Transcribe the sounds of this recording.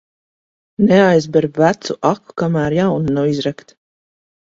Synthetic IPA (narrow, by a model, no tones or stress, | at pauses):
nɛajzbɛɾbvæt̪suʔaku̥kamæːɾjawnunawizɾakt̪